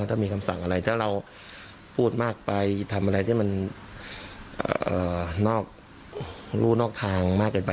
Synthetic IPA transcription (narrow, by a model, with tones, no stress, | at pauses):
t̪aː˥˩miː˧kʰa˧msa̰˨˩˦ŋʔa˧ɾa˧jt̪ʰaː˥˩ɾa˧w | pʰuː˥˩t̪̚maː˥˩k̚pa˧jt̪ʰa˧mʔa˧ɾa˧jt̪ʰiː˥˩ma˧n | ʔːʔɤː˨˩nɔː˥˩k̚ | ɾuː˥˩nɔː˥˩k̚t̪ʰaː˧ŋmaː˥˩kːɤː˧npa˧